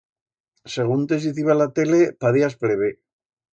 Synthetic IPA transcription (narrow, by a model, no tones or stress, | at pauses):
seɣunt̪es̬iθiβalat̪ele̞paðiaspɾeβ̞e